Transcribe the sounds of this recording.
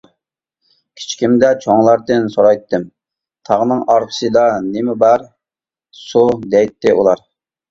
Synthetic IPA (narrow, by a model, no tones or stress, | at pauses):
kʲʰi̥t͡ʃʰkʲimd̪ɛt͡ʃʰoŋlˠɑɾd̪ɨnsoɾɑjt̪ːɨm | t̪ʰɑʁnɨŋɑɾqʰə̥sɨd̪ɑnɪmɪbɑɾ | sud̪ɛjt̪ːɪʔṵlˠɑɾ